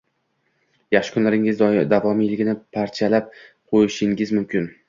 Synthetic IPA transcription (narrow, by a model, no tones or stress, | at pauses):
jaχʃɪ̥kʰʊnlaɾɪŋɪzd̪avɒmijlɪɡʲɪnɪpʰaɾt͡ʃʰalap̚ | qʰojɪʃɪŋɪzmʊmkʰʲɪn